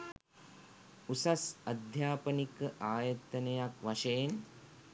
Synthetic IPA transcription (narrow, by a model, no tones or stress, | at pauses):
usɐsɐd̪ʱjaːpɐnikɐʔaːjɐt̪ɐnɐjakʋɐʃejn